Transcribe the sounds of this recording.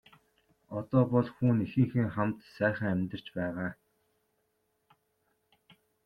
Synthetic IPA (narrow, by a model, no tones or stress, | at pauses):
ɔt̪ɔːpɔɮxuːnixɘ̆ŋxɘ̆ŋχamt̪sæːχə̆ŋæmʲt̪ə̆r̥t͡ɕpæːʁaː